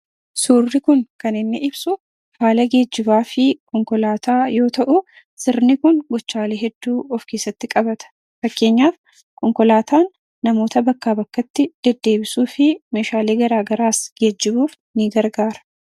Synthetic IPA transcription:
suːrːɪkʊŋkɐnɪnːɪʔɪbsʊ | faːlɐɡe̞ːd͡ʒːɪbaːfɪkʰɔŋkɔlaːt̪aːjo̞ːt̪ɐʔʊ | sɪɾnɪkʊŋɡɔt͡ʃːaːleːɦɛd̪ːuːɔfkeːsːɐt̪ːɪkʼɐbɐt̪ɐ̥ | fɐkːe̞ːɲːaːf | kɔŋkɔlaːt̪ʰaːnː | ɐmo̞ːt̪ɐbɐkːaːbɐkːɐt̪ːɪd̪̥ɛd̪ːe̞ːbɪsuːfɪme̞ːʃaːleːɡɐɾaːɡɐɾaːsɡ̥e̞ːd͡ʒːɪbuːf | nɪɡɐɾɡaːɾɐ̥

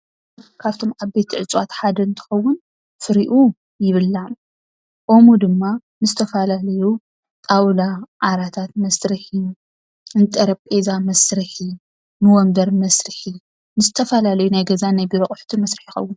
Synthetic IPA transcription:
kʰaβt̪ʰo̞maβbe̞t̪ʰiʕɨt͡sʼwat̪ħad̪ɐɨnt̪ʰɨ̥xɐwːʊn | fɨɾiʔu | jɪβɨlːa | ʔo̞mud̪ɨmːa | nɨzɨt̪ʰɐfalalɐju | t̪ʼawlaʕaɾat̪ʰat̪̚mɐsɾɨħi | ɨnt̪ʼɐɾɐβpʼezamɐsɾɨħi | nɨwɔmbɐɾmɐsɾɨħi | nɨzɨt̪ʰɐfɐlalɐjunajɡɐzanajbiɾoχʼħt̪ʰimɐsɾɨħijɪxɐ̰wːʊn

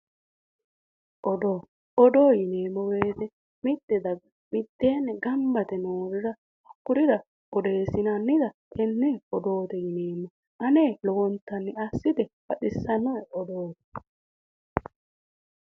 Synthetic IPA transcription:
ʔɔd̪oː | ɔd̪o̞ːjɪneːmːɔɡe̞ːt̪ɛ | mɪd̪ːɛd̪ɐɡɐ | mɪt̪ːeːnːɛɡɐmbɐt̪ɛnoːɾɪɾɐ | hɐkːʊɾɪd̪ɐ | ɔd̪e̞ːsɪnɐnːɪd̪ɐkʰɛnːeːɔd̪oːt̪ɛjɪne̞ːmːɔ | ʔɐne̞ːlɔwɔnt̪ːɐnːɪɐsːɪd̪ɛfɐɗɪsːɐnːɔɔd̪oːt̪

